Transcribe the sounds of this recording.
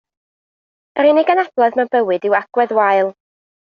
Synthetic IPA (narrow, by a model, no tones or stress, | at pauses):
ɾɪnɪɡənab̥lˠɔðmɛwbəwɨdɪwaɡ̥wɛðwajlˠ